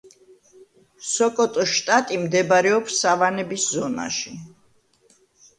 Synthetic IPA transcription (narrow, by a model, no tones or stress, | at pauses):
sɔkʼɔt̪ʼɔʃt̪ʼat̪ʼimd̪ɛbaɾɛɔpsːavanɛbiszɔna̰ʃi